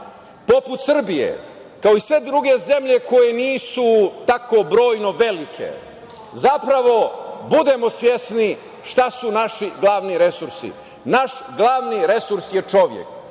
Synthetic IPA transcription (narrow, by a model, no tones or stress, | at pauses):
po̞put̪sr̩bijḛ | kaoisʋe̞d̪ɾuɡe̞ze̞mʎe̞ko̞je̞niːsut̪akobɾo̞ːjno̞ʋe̞likʰe̞̰ | zapɾaʋo̞bud̪e̞mo̞sʋje̞sni | ʃt̪asunaʃiɡlˠaːʋniɾe̞suɾsḭ | naʃɡlˠaːʋniɾe̞suɾsjet͡ʃo̞ʋjḛk